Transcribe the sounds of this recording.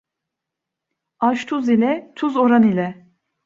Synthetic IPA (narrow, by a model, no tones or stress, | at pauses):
aʃt̪ʰuzilʲɛt̪ʰuzoɾanilʲɛ